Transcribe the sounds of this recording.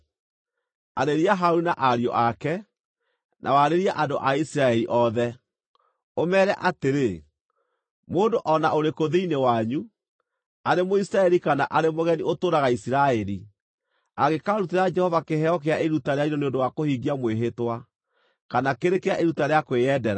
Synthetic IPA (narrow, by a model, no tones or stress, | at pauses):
a̰ɾeɾiaɦauɾunaʔaɾjɔ̰ʔakɛ | nʔa̰waɾeɾiaʔadoʔaisiɾaɛɾiʔɔðɛ | omɛːɾɛʔateɾe | moːndoʔɔnaoɾekoðeinewaɲu | aɾemoisiɾaɛɾikanaʔaɾemoɣɛniʔotoːɾaɣaisiɾaɛɾi | aɣekaɾuteɾad͡ʒɛhɔvakeɦɛɔk̬eaʔeɾutaɾeainɔneondowakohiɣiamweɦetwa | kanakeɾekeaʔeɾutaɾeakweɛdɛɾa